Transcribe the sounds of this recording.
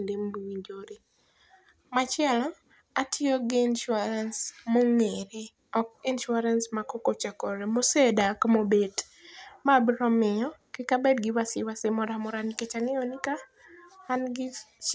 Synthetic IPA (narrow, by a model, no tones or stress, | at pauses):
ndembuwiɲd͡ʒoɾe | mat͡ʃɛlɔ | atʰɪɔɡinʃuaɾansmoŋeɾe | ɔkinʃuaɾansmakɔkot͡ʃakɔɾemosedakmobet | mabɾɔmɪɔkɪkabɛdɡɪwasɪwasemɔɾamoɾaniket͡ʃaŋeɔnikaː | nɡɪ